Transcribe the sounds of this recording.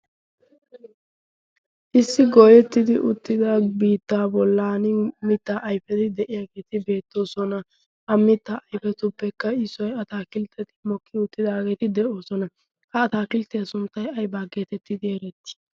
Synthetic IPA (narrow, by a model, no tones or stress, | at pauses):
ʔɪsːɪɡoːjɛt̪ːɪd̪ɪʔʊt̪ːɪd̪abiːt̪ːaːbɔlːaːnɪmɪt̪ːaʔɐjfɛt̪ɪd̪ɛʔɪjaːɡe̞ːt̪ɪbe̞ːt̪ːo̞ːsɔnɐ | ʔɐmːɪt̪ːaʔɐjfɛt̪ʊpːɛkːɐɪsɔjɐt̪aːkɪlt̪ʰːɛt̪ɪmɔkʰːɪʊt̪ːɪd̪aːɡeːt̪ɪd̪ɛʔo̞ːsɔnɐ | hɐːt̪aːkɪlt̪ɛjɐsʊnt̪ːɐjɐjbaːɡeːt̪ɛt̪ːɪd̪ɪɛɾɛt̪ːɪ̥